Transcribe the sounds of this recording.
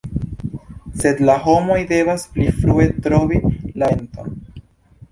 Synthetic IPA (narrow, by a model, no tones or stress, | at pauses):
se̞d̪laɦo̞mo̞jde̞vasplifɾue̞tɾo̞vilaento̰n